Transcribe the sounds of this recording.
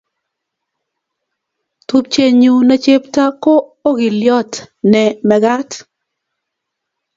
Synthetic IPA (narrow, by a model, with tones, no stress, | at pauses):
tu˦p̚t͡ʃe˦ɲu˨na˨˦t͡ʃe˦pta˦koː˦ɡɪ˨ljɔ˦tnɛ˨mɛ˨ɡa˦t